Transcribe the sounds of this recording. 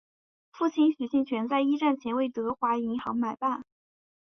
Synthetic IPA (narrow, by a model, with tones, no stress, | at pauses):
fu˥˩t͡ɕʰi˥nɕy˨˩ɕi˥˩nt͡ɕʰɥɛ˧˥nt͡sa˥˧ɪi˥ʈ͡ʂa˥˩nt͡ɕʰjɛ˧˥nwe˥˩ɪt̪ɤ˧˥xwa˧˥i˧˥ŋxɑ˧˥ŋma˨˩ɪpa˥˩n